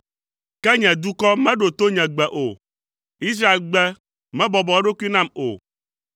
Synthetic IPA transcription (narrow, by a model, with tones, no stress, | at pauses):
kɛ˦ɲɛ̃˨d̪u˦kɔ˦mɛ̃˦ɖo˨t̪o˦ɲɛ̃˨ɡ͡bɛ˨ʔo˨ | i˦s̬ɾa˦e˨lɡ͡bɛ˦ | mɛ̃˦bɔ˨bɔ˨ɛ˦ɖo˦ki˦nã˦˨mo̰˨